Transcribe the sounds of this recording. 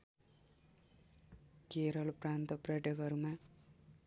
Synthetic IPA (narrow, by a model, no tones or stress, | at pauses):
keɾʌlprant̪ʌprjʌʈjʌkɦʌɾuma